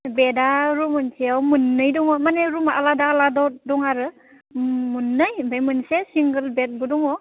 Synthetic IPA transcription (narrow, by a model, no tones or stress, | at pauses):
bedaɾumɯnseawmɯnːɯjdɔŋɔmaneɾumaʔaladaːladɔdɔŋaɾɯ | munːɯjbajmɯnsesiŋɡəlbet̚budɔŋɔ